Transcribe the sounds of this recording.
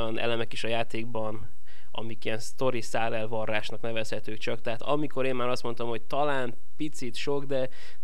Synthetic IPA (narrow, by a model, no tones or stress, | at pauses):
ɒnʔɛ̰lɛmɛkeːʃɒjaːt̪eːɡ̚bɒn | ɒ̰mikijɛnst̪o̞ɾisaːlɛlvɒrːaːʃnɒknɛvɛshɛt̪øːkt͡ʃɒkt̪ɛɦaːt̪ɒ̰miko̞ɾeːmmaːɾɒst̪mo̞nt̪ɒmho̞c̚t̪ɒlaːm | pit̪sit̪ʃo̞ɡd̪ɛ